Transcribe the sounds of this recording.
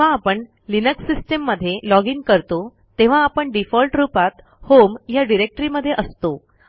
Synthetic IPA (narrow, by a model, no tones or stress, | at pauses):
aːpəɳ | linəksːisʈemːəd̪ʱːjelɔɡiŋɡkəɾt̪o | t̪eʋ̤ãːpəɳɖifɔlʈɾupat̪ | homjaɖiɾek̚ʈɾiməd̪ʱːjeʔəst̪o